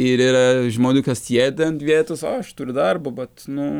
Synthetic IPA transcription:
ɪɾiːɾɐʒmoːnʲuːkɐsʲeːd̪ʲɛnt̪ʋʲiɛt̪osoːɐʃt̪uɾʲʊd̪ɐrbʊbɐt̪nʊ

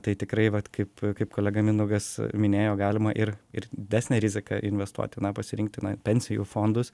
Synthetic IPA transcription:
t̪ɐɪt̪ʲɪkɾɐɪʋɐt̪kʰɐɪpkɐɪpkoːlʲæːɡɐmʲɪnʊɡɐsmʲɪnʲeːjoːɡɑːlʲɪmɐʔɪɾɪɾd̪ʲɪdʲæːsʲnʲɛɾʲɪzʲɪkɐʔɪnʲʋʲɛst̪ṵɔt̪ʲɪnɐpɐsʲɪɾʲɪŋk̚t̪ʲɪnɐpʲɛnʲsʲɪjuːfoːnd̪ʊs

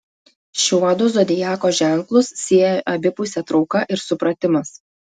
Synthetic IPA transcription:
ʃʲuɔd̪ʊzɔd̪ʲɪjæːkoːʒʲæˑŋˑklˠʊsːʲiɛjɛʔɐbʲɪpʊsʲɛt̪ɾɒʊkɐʔɪɾsʊpɾɐt̪ʲɪmɐs

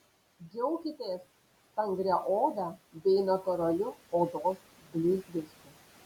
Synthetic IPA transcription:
ɡʲɛʊkʲɪt̪ʲeːs | t̪ɐŋɡɾʲɛʔoːd̪ɐbʲɛɪnɐt̪ɔɾɐlʲʊoːd̪oːs | bʲlʲuːzʲd̪ʲɪsʲt̪ʲɪ

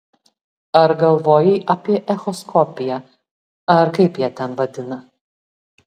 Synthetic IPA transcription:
ɐɾɡɐlˠʋoːjɛɪʔɐpʲiɛʔɛxɔskʰɔpʲɪjɛ | ɐɾkɐɪpjiːt̪ʲɛnʋɐd̪ʲɪnɐ

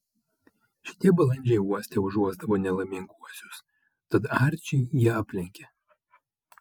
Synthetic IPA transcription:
ʃʲɪ̥t̪ʲiɛbɐlˠɐnʲd͡ʒʲɛɪuɔsʲt̪ʲɛʊʒuɔzd̪ɐʋoːnʲɛlˠɐmʲɪŋkuɔsʲʊs | t̪ɐt̪ɑɾʲt͡ʃʲɛɪjiɛɑpʲlʲɪŋʲkʲɛ

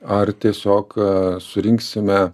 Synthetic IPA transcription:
ɐrt̪ʲiɛsʲoːksʊɾʲɪŋksʲɪmʲɛ

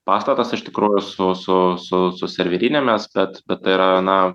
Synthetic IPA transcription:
pɑːst̪ɐt̪ɐsɪʃt̪ʲɪkɾuːjʊsʊsʊsʊsʊsʲɛɾʲʋʲɪɾʲinʲɛmʲɛsbʲɛt̪bʲɛt̪t̪ːɐɪiɾɐnɐ

